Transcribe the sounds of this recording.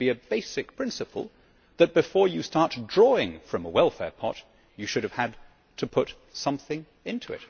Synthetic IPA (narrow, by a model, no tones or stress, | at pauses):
b̥iɨb̥eɪsɨk̚pʰɹ̥ɪ̃nsɨpʰl̩ˠ | ðɨt̚b̥ɨfɔɹjɨstɑɹtdɹɔɪ̃ŋfɹʌ̃məwɛlˠfɛ̰ɹpʰɑ̰t͡ʃ | ɨʃʊɾɨv̥ɨd | tʰɨpʰʊt | sʌ̃mθɪ̃ŋ | ɪ̃ntʰʉɨ̰t̚